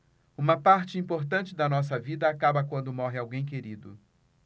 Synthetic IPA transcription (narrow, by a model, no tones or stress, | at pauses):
ũmɐpaɾt͡ʃɪĩpoɾt̪ɐ̃nt͡ʃɪd̪ɐnɔs̬ɐvid̪ɐːkabɐkwɐ̃nd̪ʊmɔɦɪawɡẽj̃k̬eɾid̪ʊ̰